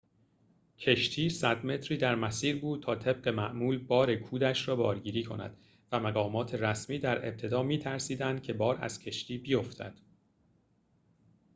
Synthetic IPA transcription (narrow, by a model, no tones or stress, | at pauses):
cʰe̞ʃt̪ʰiːsæd̪me̞t̪ʰɾiːd̪æɾmæsiːɾbuːd̪̥̚t̪ʰɒːt̪ʰe̞b̚ɢe̞mæʔmuːlbɒːɾe̞kʰuːd̪æʃrɒːbɒːɾɟiːɾiːkʰonæ̰d̪̥ | væmæɢɒːmɒːt̪ʰe̞ɾæsmiːd̪æɾe̞̰b̚t̪ʰe̞d̪ɒːmiːt̪ʰæɾsiːd̪ænd̪̚cʰe̞bɒːɾæ̰z̥cʰe̞ʃt̪ʰiːbijo̞ft̪ʰæ̰d̪̥